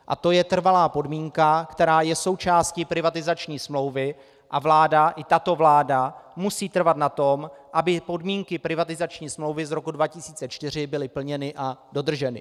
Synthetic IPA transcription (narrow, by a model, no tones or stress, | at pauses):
ʔa̰t̪o̞jɛt̪r̩valaːpo̞dmiːŋkakt̪ɛɾaːjɛso̞wt͡ʃaːscɪpɾɪvat̪ɪzat͡ʃɲiːsmlo̞wvɪ | ʔavlaːdaʔɪt̪at̪o̞vlaːdamusiːt̪r̩vat̪nat̪o̞mʔabɪpo̞dmiːŋkɪpɾɪvat̪ɪzat͡ʃɲiːsmlo̞wvɪzɾo̞kudvacɪsiːt͡sɛt͡ʃt̪ɪr̝ɪbɪlɪpl̩ɲɛnɪʔado̞d̪r̩ʒɛnɪ̰